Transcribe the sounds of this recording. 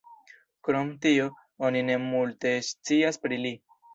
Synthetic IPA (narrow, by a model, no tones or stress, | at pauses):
kɾo̞mtio̞ | onine̞multe̞st͡siaspɾili